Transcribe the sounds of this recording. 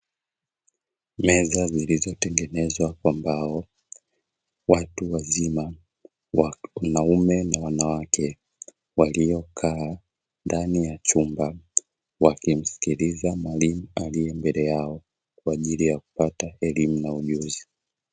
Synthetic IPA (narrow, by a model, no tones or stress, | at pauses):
mɛzazilizɔtɛŋɡɛnɛzwakwambaɔ | watuwazima | anaumɛnawanawakʰɛ | walijɔkʰaː | ndanijat͡ʃumba | wakim̩si̥kilizamwalimualijɛmbɛlɛjaɔ | kwaːʄilijaku̥pataɛlimunauʄuzi